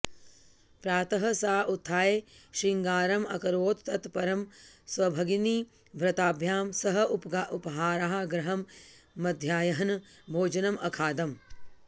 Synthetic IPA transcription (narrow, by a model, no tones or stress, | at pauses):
pɾaːt̪ɐɦɐsaːʔut̪ʰːaːjeːʃiŋɡaːɾɐmɐ̰kɐɾʋoːt̪ːɐt̪pɐɾɐmsʋɐbʱɐɡini | bʱɾɐt̪aːbʱjaːmsɐɦɐʔupʔupɐɦaːɾaːɦaɡɾɐɦɐmːɐd̪ʱjaːjɐɦɐn | bʱoːd͡ʒɐnɐmɐkʰaːd̪ɐm